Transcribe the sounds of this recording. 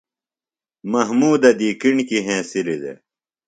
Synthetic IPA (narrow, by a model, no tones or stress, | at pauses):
mɐɦmuːd̪ɐd̪iːkiɳkiɦẽːsilid̪ḛ